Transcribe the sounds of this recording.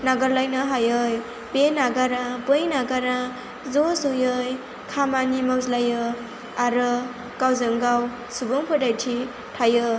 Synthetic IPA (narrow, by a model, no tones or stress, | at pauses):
naɡʌɾlajnʌɦajɯj | benaɡaɾapɯjnaɡaɾa | zosɯjɯj | kʰamanimawzlajɯ | aɾɯ | kawzɯŋɡaw | subɯŋpʰɯdajtʰi | tʰajɯ